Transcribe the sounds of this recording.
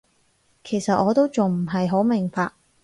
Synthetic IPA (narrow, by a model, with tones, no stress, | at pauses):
kʰe˨˩jsɐ˨t̚ʔɔː˨˧t̪o˥wt͡sʊ˨ŋm̩˨˩ɦɐ˨jɦo˨˥wmɪ˨˩ŋfaː˧k̚